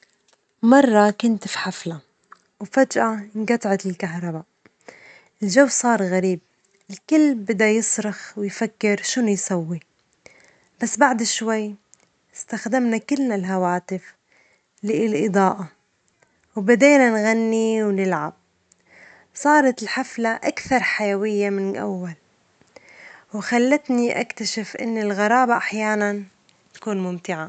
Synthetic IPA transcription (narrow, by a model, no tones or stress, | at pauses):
mɑrˤːɑkʊnt̪fi̥ħafla | wfad͡ʒʔanɡɑt̪ˤʕɑt̪ɪlkaɦɾˤɑba | ʔɪlʒawːsˤɑːɾˤɣaɾiːb̚ | ʔɪlkɪlːbɪd̪ajɨsˤɾɑxwɪjfakːɪɾʃʊnujsawːi | b̥asːbaʕd̪ɪʃwajː | ɪst̪axd̪amnakɪlnalɦawaːt̪ɪf | liɪlʔɨd̪ˤɑːʔa | wbad̪eːnanɣanːiwnɪlʕab̚ | sˤɑːɾˤɑt̪ɪlħaflaʔakθɑɾˤħajawɪjːamɪnʔa̰wːal | wxalːat̪niʔa̰kt̪aʃɪfʔɪ̰nːɪlɣɑɾˤɑːbaʔaħjaːnan | t̪ḁkuːnmʊmt̪ɪʕa